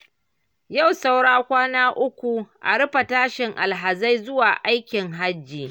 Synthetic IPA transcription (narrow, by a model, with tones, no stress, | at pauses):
ja˦˨wsa˦wɽaː˦kʷaː˦naː˦ʔʊ˦kʷu˨ʔa̰˨ɽɪ˦ɸa˨taː˦ʃɪ˨ŋʔa̰˨lɦa˨za˦jzʊ˦waː˨ʔa˦jkʲɪ˨ŋɦa˦d͡ʒːiː˨